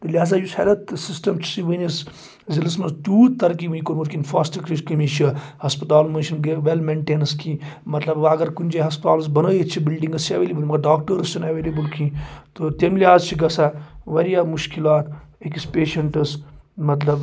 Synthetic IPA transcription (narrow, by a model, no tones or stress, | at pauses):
t̪olʲiaːzaːjusɐ̰lɐt̪sisʈɐmt͡ʃʰi̥sĩʋəːnʲɐs | zilismɐnt̪uːt̪ːɐɾk̬iʋənikoɾmuːɾkinfaːsʈkɾikimit͡ʃʰihɐspit̪aːlmɐnʃinɡeʋelmeɳʈeːnɐskʰĩːmɐt̪lɐbʋɐɡɐɾkunʲd͡ʒeɦɐspt̪a̰ːls̬bɐnəːjet͡ʃʰibilɖĩŋɡɐst͡ʃʰɐʋeːlibəlmɐɡɐɾɖaːkʈəɾɨst͡ʃʰɐnɐʋeːlebəlkʰĩːt̪ot̪emliaːzt͡ʃʰiɡɐsaʋɐɾijaːmuʃkilaːt̪ekispeːʃɐɳʈɨsmɐt̪lɐb